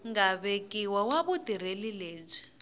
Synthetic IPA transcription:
ŋɡaβekʼiwawaβudiɾelileːb͡ʐʷi̥

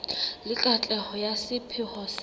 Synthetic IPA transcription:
lɪkʼat͡ɬʼɛhɔjasɪpʰɪhɔs

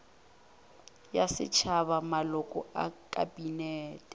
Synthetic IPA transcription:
jasɪ̰t͡ʃʰaβamalʊkʼɔ̰akʼabinɛːtʼɛ

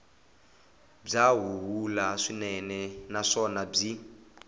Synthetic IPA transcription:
b͡ʐaɦuɦulaʂinɛnɛnaʂɔnab͡ʐi

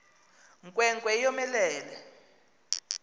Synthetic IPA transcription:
ŋkʼwɛŋkʼwɛijɔmɛlɛːlɛ

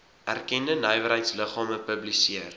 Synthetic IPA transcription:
ʔærkɛndənœjvəɾɦəjtsləχɑːməpəblisiər

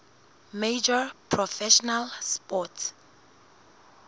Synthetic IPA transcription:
med͡ʒɔpʰɹɔfɛʃɔnalspɔt

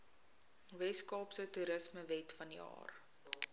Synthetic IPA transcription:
vɛskɑːpsətuɾəsməvɛtfɐndiɑ̰ːr

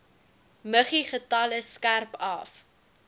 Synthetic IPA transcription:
məχiχətɐləskærpɐf

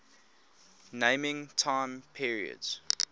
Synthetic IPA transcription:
nẽɪ̃mɪ̃ŋtʰãɪ̃mpʰiɹiə̰dz̥

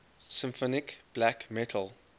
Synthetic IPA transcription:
sɪ̃mfɔnɪkb̥lækmɛtʰəlˠ

